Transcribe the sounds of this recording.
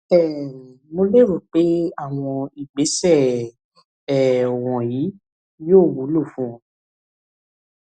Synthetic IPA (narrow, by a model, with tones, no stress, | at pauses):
ɛ˦˨ | mo˧le˦˨ɾu˨k͡pe˨˦a˦˨w̃ɔ̃˧i˨ɡ͡be˨˦sɛ˦˨ | ɛ˨o˨w̃ɔ̃˨ji˨˦ | joː˦˨wu˨˦lo˦˨fũ˨˦˨